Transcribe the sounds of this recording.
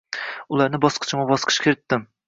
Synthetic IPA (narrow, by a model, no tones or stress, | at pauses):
ʊlˠaɾnɪbɒsqʰɨ̥t͡ʃʰɪmɑbɒsqʰɨ̥ʃkʲʰeɾɪt̪ːɪm